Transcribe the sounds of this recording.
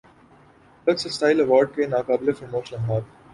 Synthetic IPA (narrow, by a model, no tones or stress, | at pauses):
lɐksesʈaːɪlɐʋaːɾɖ̚kenaːkaːblefɾɪmoːʃnəlɦaːt̪